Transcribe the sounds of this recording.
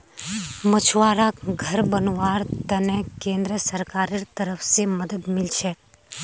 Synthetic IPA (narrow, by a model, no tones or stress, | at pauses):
mət͡ʃʰʋaɾakɡʱəɾbənʋaɾt̪ənekẽnd̪ɾəsəɾkaɾɪɾt̪əɾəfseməd̪əd̪mɪlt͡ʃʰe